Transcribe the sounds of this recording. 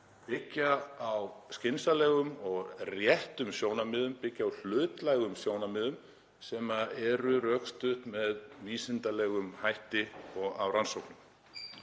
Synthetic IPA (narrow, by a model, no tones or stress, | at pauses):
pɪcːaːwscɪnsalɛːɣʏmɔɣrjɛht̪ʏmsjoːwnamɪːðʏmpɪcːaːwl̥ʏːt̪lajɣʏmsjoːwnamɪːðʏm | sɛmaɛɾʏɾœkst̪ʏht̪mɛðviːsɪnt̪alɛɣʏmhajht̪ɪɔɣawɾansowknʏm